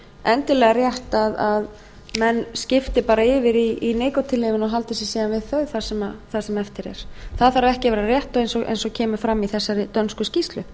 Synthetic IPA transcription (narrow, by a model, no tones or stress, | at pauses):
ɛnt̪ɪlɛɣarjɛht̪aðað | mɛnːscɪft̪ɪpaːɾaɪvɪɾiineːjkɔt̪ʰɪlːeːvɪnɔɣɦalt̪ɪsjɛsɛːɣanvɪðθœɥðθaɾ̥sɛmaθasɛmɛft̪ɪɾɛ̰ɾ̥θaðθaɾavɛhcɪvɛːɾarjɛht̪ɔɣejnsɔɣʔḛjnsɔɣcʰɛːmʏ̥fɾamːiθɛsːaɾɪt̪œnskʏscist̪lʏ